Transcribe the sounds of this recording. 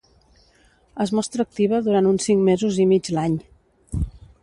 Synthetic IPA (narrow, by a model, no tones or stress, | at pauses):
əzmɔst̪ɾəːk̚t̪iβ̞əðuɾant̪unsiŋmezuzimid͡ʒlaɲ